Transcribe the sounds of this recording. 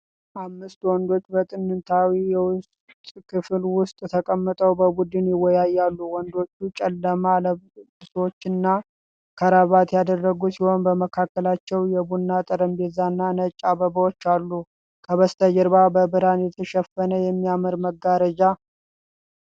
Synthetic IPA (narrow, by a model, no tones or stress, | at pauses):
ʔamːɨst̪wɔnd̪o̞t͡ʃːbət̪ʼɨnːɨnt̪ʰawijɛwʊst̪ʼkʰɨflwʊst̪ʼt̪ʰəkʼəmːɨt̪ʼəwbəbud̪ɨnjɪwːɔjajːalːuwɔnd̪o̞t͡ʃːut͡ʃʼɛlːəmaləɨsot͡ʃːɪnːa | kʰəɾaβat̪jad̪ərːəɡusiho̞nbəməkʰakːəlat͡ʃːɛwjɛbunːat̪ʼəɾəmbezanːanət͡ʃʼːaβəbəwot͡ʃːalːu | kʰəβəst̪ʰəd͡ʒɛɾbabəbɨɾanjɛt̪ʰəʃɛfːənəjɛmːijamɨɾməɡːaɾəd͡ʒa